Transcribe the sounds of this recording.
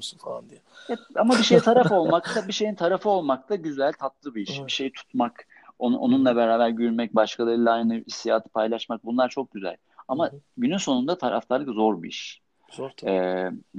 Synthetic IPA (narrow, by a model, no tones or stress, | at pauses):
sunfalˠand̪iɛɛamabiʃe̞jit̪ʰaɾafo̞lˠmak̚t̪abiʃe̞jint̪ʰaɾafɯo̞lˠmak̚t̪ʰaɟyzælʲt̪ʰat̪lˠɯbiiʃbiʃe̞jit̪ʰu̥t̪mak | ono̰nunlˠabeɾaːbæɾɟyɾmɛc̚baʃkʰad̪ˠailʲˠaajnɯist̪ija̰ːt̪ʰɯ̥pʰajlˠaʃmak̚bunlˠaɾt͡ʃʰo̞k̚ɟyzæ̰lʲ | amaɟynynso̞nund̪at̪ʰaɾa̰ft̪ʰaɾlˠɯkzo̞ɾbḭḭʃ | ɛː